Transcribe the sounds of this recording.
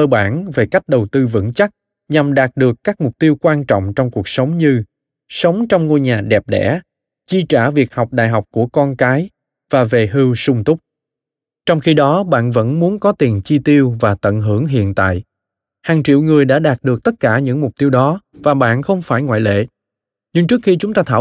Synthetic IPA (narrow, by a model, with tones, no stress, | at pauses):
əː˧ɓa̰ː˧˩nve˨˩ka˦˥jk̟̚ɗə˨˩wt̪ɨ˧vɨ̰˧˥ŋt͡ɕa˦˥k̚ | ɲa˨˩mɗaː˨˩t̚ɗɨ˨˩əkːaː˦˥k̚mʊ˨˩k͡p̚t̪i˧əwkwaː˧nt͡ɕɔ̰˧˨wŋ͡mt͡ɕɔ˧wŋ͡mku˨˩ək̚sə˨˦wŋ͡mɲɨ˧ | sə˨˦wŋ͡mt͡ɕɔ˧wŋ͡mŋo˧jɲaː˨˩ɗɛ˨˩p̚ɗɛ̰˧˥ | t͡ɕi˧t͡ɕaː˧˩vi˨˩ək̚hɔ˨˩wk͡p̚ɗa̰ː˧˨jɦɔ˨˩wk͡p̚ku˧˩əkɔ˧nkaː˨˦j | vaː˨˩ve˨˩ɦɨ˧wsʊ˧ŋ͡mt̪ʊ˦˥k͡p̚ | t͡ɕɔ˧wŋ͡mxi˧ɗɔ˨˦ɓa̰ː˧˨nvə̰˧˥nmu˨˦ənkɔ˨˦t̪i˨˩nt͡ɕi˧t̪i˧əwvaː˨˩t̪ə̰˧˨nɦɨ˧˩əŋɦḭ˧˨ənt̪a̰ː˧˨j | haː˨˩ŋt͡ɕḭ˧˨wŋɨ˨˩əjɗa̰ː˧˥ɗaː˨˩t̚ɗɨ˨˩ək̚t̪ə˦˥t̚kaː˧˩ɲɨ̰˧˥ŋmʊ˨˩k͡p̚t̪i˧əwɗɔ˨˦vaː˨˩ɓa̰ː˧˨nxə˧wŋ͡mfaː˧˩jŋwa̰ː˧˨jlḛ˧˨ | ɲɨ˧ŋt͡ɕɨ˦˥k̚xi˧t͡ɕʊ˨˦ŋ͡mt̪aː˧t̪ʰaː˧˩˨